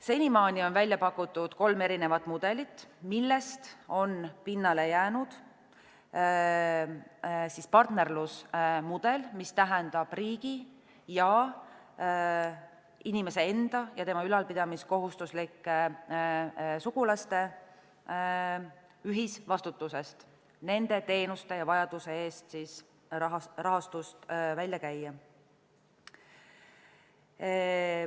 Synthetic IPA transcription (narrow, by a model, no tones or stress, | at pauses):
se̞nʲimɑːnio̞nvælʲjɑpɑkːˑut̪ːˑud̪̥ko̞lme̞ɾine̞vɑt̪ːˑmud̪̥e̞lit̪ːmilːe̞st̪o̞npinːɑle̞jæːnud̪̥ | sispɑrt̪ne̞rlusmud̪̥e̞lmist̪æɦɛnd̪̥ɑb̥riːɡ̥i | jɑ | inime̞se̞e̞nd̪̥ɑjɑt̪e̞mɑylɑlpid̪̥ɑmisko̞ɦust̪uslikːˑ | suɡ̥ulɑst̪e̞ | yɦisvɑst̪ut̪ːˑuse̞st̪ | ne̞nd̪̥e̞t̪e̞ːnust̪e̞jɑvɑjɑd̪̥use̞e̞ːst̪siːs | rɑɦɑst̪ust̪vælʲjɑkæjːɑ